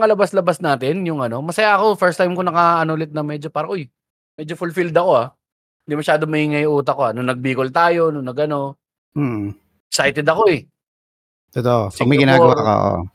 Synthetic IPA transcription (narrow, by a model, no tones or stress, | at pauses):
ŋɐlɐbaslɐbasnaːt̪ɪnjʊŋɐno̞mɐsɐjaʔɐko̞fɛɹst̪ajmkonɐkaʔɐnoːlɪt̪̚nɐmɛːd͡ʒopaːɾɐʔoj | mɛd͡ʒofʊlfild̪ɐko̞a | hɪnd̪imɐʃaːd̪omɐhiːŋɐjuːt̪̬ɐko̞anʊŋnɐɡ̚biːkolt̪aːjo̞nʊŋnɐɡɐno̞ | m̩ː | sajt̪ɛd̪ɐko̞ɛ | t̪ot̪oʔopɐɡ̚mɐjɡɡɪnaːɡɐwako̰ʔo̰ʔ